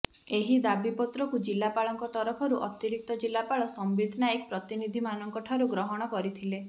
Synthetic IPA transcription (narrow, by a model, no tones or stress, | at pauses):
eɦid̪abipɔt̪ɾɔkud͡ʒilːapaɭɔŋkɔt̪ɔɾɔpʰɔɾuʔɔt̪iɾik̚t̪ɔd͡ʒilːapaɭɔsɔmbid̪ʱnajek̚pɾɔt̪inid̪ʱimanɔŋkɔʈʰaɾuɡɾɔɦɔɽ̃ɔkɔɾit̪ʰile